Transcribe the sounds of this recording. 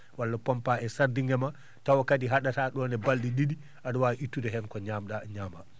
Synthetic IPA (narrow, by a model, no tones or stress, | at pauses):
walːapɔmpaɛsaɾdiŋɡɛma | tawakadiɦaɗataɗɔnɛbaldididi | ʔadɔwaʔitːudɛɦɛnkɔɲaːmɗaɲama